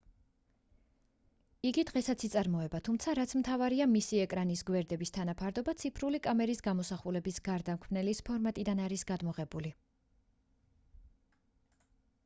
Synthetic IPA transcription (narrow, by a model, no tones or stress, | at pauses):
iɡid̪ʁɛsat̪sit̪sʼaɾmɔɛbat̪ʰumt̪sʰaɾat̪sʰmt̪ʰavaɾiamisiɛkʼɾanisɡwɛɾd̪ɛbist̪ʰanapʰaɾd̪ɔbat̪sʰipʰɾulikʼamɛɾisɡamɔsaχulɛbisɡaɾd̪amkʰmnɛlispʰɔɾmat̪ʼid̪anaɾisɡad̪mɔʁɛbuli